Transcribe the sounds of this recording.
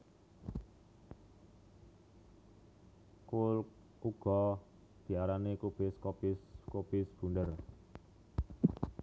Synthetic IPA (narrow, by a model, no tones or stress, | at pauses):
kul | uɡ̥ɔ | d̪̥i̤aɾanekub̥ɪskopɪskopɪsb̥ṳndər